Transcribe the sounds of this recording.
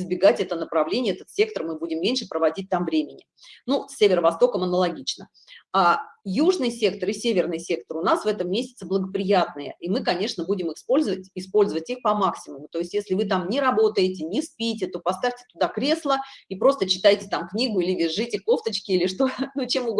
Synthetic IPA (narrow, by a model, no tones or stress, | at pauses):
ɪzbʲɪɡatʲɛt̪ənəpɾɐvlʲenʲɪjəɛt̪ət̪sʲe̞kt̪ərmɨbudʲɪmmʲenʲʂɨpɾəvɐdʲit̚ʲt̪amvɾʲemʲɪnʲɪ | nusʲːevʲɪɾəvɐst̪o̞kəmɐnəlˠɐɡʲit͡ɕnə | ajuʐnɨjsʲe̞k̚t̪əɾisʲevʲɪrnɨjsʲe̞k̚t̪ərʊnasvɛt̪əmːʲesʲɪ̥t̪səblˠəɡəpɾʲɪjat̪nɨjə̰imɨkɐnʲe̞ʂnəbudʲɪmɨxspo̞lʲzəvətʲɪspo̞lʲzəvətʲixpɐmaksʲɪmʊmʊt̪o̞ɪsʲtʲjesʲlʲɪvɨt̪̬amnʲɪɾɐbo̞t̪əjɪtʲɪnʲɪspʲitʲɪt̪o̞pɐst̪afʲtʲɪ̥t̪ʊd̪akɾʲe̞slˠəipɾo̞st̪ət͡ɕɪ̥t̪ajtʲɪ̥t̪amknʲiɡʊilʲɪvʲɪʐːɨtʲɪkˠo̞ft̪ət͡ɕkʲɪilʲɪʂt̪onut͡ɕemuɡ